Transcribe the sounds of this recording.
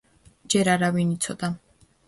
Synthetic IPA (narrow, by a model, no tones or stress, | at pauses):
d͡ʒɛɾaɾavinit̪sʰɔd̪a